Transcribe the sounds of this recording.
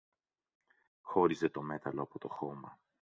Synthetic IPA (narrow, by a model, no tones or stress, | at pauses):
xo̞ɾize̞t̪o̞me̞t̪ɐlo̞ɐpo̞t̪o̞xo̞mɐ